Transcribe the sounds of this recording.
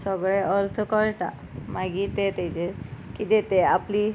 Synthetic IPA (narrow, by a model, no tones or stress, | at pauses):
səɡɭeʔəɾt̪ʰəkəɭʈa | maɡit̪et̪et͡ɕekit̪et̪eapli